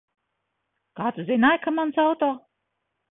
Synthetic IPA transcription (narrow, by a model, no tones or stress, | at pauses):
kaːt̪uzʲinaːjkamansawt̪oː